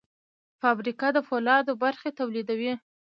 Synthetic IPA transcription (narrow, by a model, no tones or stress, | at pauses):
fɑbɾikɑd̪əfolɑd̪obaɾxet̪awlid̪awi